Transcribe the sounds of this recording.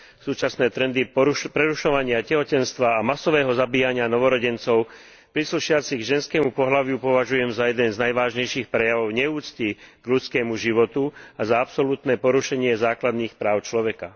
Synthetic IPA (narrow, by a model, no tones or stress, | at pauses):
suːt͡ʃasnɛːt̪ɾɛnd̪ipɾɛɾuʃɔʋaɲɪacɛɦɔcɛnst̪ʋaːmasɔʋɛːɦɔzabiːjaɲɪanɔʋɔɾɔɟɛnt͡sɔʊ | pɾisluʃɪat͡siɣʒɛnskɛːmupɔɦlaʋɪupɔʋaʒujɛmzajɛd̪ɛnznajʋaːʒɲɛjʃiːxpɾɛjaʋɔʊɲɛuːt͡sciɡ̥ʎut͡skɛːmuʒiʋɔt̪uazaapsɔlut̪nɛːpɔɾuʃɛɲɪɛzaːklad̪niːxpɾaːʊt͡ʃlɔʋɛka